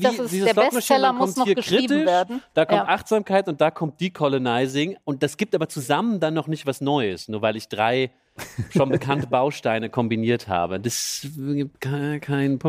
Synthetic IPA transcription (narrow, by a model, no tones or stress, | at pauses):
vddiːz̥ɔsmaɛdakʰɔɔmtiːɐkʁ̥iːtɪvʃeɐdn̩d̥aːkʰɔmtʔaχtz̥aːmkʰaɪtʊnt̚d̥aːkʰɔmt̚d̥iːkʰɔlonaɪzɪŋʊnt̚d̥asɡ̥iːp̚tʔaːbɐt͡suzaməndanːɔχnɪçtv̥asnɔʏəsnuːɐvaɪlɪçd̥ʁaɪ | ʃonbəkʰantəbaʊʃtaɪnəkʰɔmbiniːɐtha̰ːbədasɡiːp̚tkʰakʰaɪnpʰ